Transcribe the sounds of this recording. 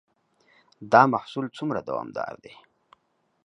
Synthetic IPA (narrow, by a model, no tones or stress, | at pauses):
d̪ɑmahsult͡sumɾad̪a̰wɑ̰md̪ɑ̰ɾd̪e